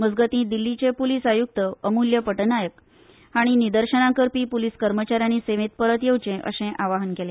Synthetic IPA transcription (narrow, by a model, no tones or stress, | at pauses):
məd͡zɡət̪ĩːd̪ilːit͡ɕepulisajuk̚t̪əəmuljəpəʈnajək | haɽ̃inid̪əɾɕənãkəɾpiːpuliskəɾmət͡ɕaɾjaniseʋẽt̪̚pəɾət̪jewt͡ɕẽʔə̰ɕẽʔaʋaɦənkele